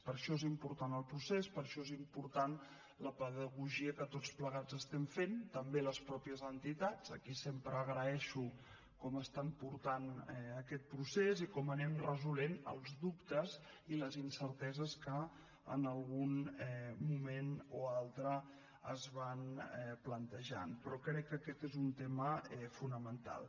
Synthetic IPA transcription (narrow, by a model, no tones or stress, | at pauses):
pəɾʃɔezimpuɾt̪anəlˠpɾusespəɾʃɔezimpuɾt̪an | ləpəðəɣuʒiəkət̪ot͡spləɣad͡zəst̪ɛɱfent̪əmbeləspɾɔpiəzənt̪it̪ad͡zəkisempɾəːɣɾəɛʃu | kɔməst̪ampuɾt̪anəkɛt̪̚pɾusezikɔmənɛmrəzulenə̰lˠzdupt̪əz | iləzinsəɾt̪ɛzəskə | ə̰nəlˠɣunɛmumenoalˠt̪ɾə | əzβanɛplənt̪əʒa̰npɾɔkɾɛkːəkɛt̪ezunt̪eməɛfunəmənt̪a̰lˠ